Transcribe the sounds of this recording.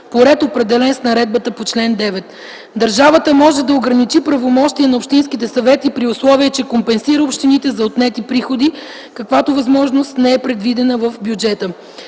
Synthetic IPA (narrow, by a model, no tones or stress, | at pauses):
poɾɛt̪opɾɛd̪ɛlɛnsnɐɾɛd̪̚bət̪əpot͡ʃlɛnd̪ɛvɛt̪ | d̪ɐɾʒavət̪əmɔʒɛd̪ɐoɡɾɐnit͡ʃipɾɐvomɔʃt̪iɛnɐopʃt̪inskit̪ɛsɐvɛt̪ipɾiʊslˠɔviɛt͡ʃɛkompɛnsiɾəopʃt̪init̪ɛzɐot̪nɛt̪ipɾixod̪i | kɐkvat̪ovɐzmɔʒnost̪nɛɛpɾɛd̪vid̪ɛnəvəfbjud͡ʒɛt̪ə